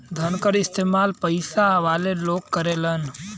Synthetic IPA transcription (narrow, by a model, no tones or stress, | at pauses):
d̪ʱənkəɾɪst̪eːmaːlpəɪsaɐʋaːleloːɡkːəɾeːlən